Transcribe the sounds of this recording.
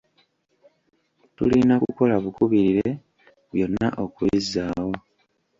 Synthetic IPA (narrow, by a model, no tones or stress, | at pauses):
tṵlinakuko̞laβukuβiɾiɾe | βjo̞nːaʔokuizaːwo̞